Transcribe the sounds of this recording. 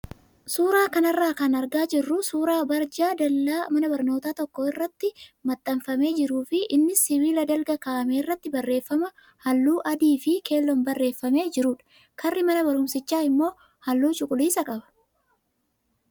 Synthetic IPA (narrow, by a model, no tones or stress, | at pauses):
suːɾaːkɐnɐrːaːkɐnɐɾɡaːd͡ʒɪrːʊsuːɾaːbɐɾd͡ʒaːd̪ɐlːaːmɐnɐbɐɾnoːt̪aːt̪ɔkːɔɪrːɐt̪ːɪmɐt̪ʼːɐmfɐme̞ːd͡ʒɪɾuːfɪʔɪnːɪsɪβiːlɐd̪ɐlɡɐkaːmeːɪrːɐt̪ːɪbɐrːe̞ːfːɐmɐ | hɐlːuːʔɐd̪iːfɪke̞ːlːɔmbɐrːe̞ːfːɐme̞ːd͡ʒɪɾuːᶑɐ̥ | kɐrːɪmɐnɐbɐɾʊmsɪt͡ʃːaːɪmːo̞ː | hɐlːuːt͡ʃʊkʼʊliːsɐkʼɐbɐ̥